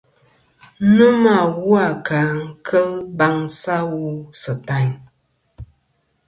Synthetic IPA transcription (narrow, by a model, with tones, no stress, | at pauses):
nə˦ma˨wu˦a˨ka˨ŋ̩˦˨kʰə˦lba˦ŋsa˦wu˦sə˨ta˦ɲ